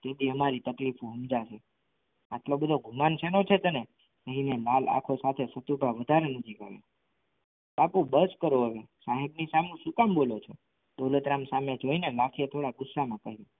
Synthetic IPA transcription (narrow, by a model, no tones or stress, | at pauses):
t̪eb̪iəmaɾit̪əklifũɦumd͡ʒaʃe | atlobəd̪ʱoɡʱumanʃʰenot͡ʃʰet̪əne | kəɦinemala̰kʰosat̪ʰesət̪ubʱaʋəd̪ʱaɾenəd͡ʒʱika̰ʋḛ | bapũbəskəɾoɦəʋesaɦebnisamnũʃukambolot͡ʃʰe | d̪olət̪ɾamsamed͡ʒoinelakʰijet̪ʰoɽaɡʊsːamãkəɦio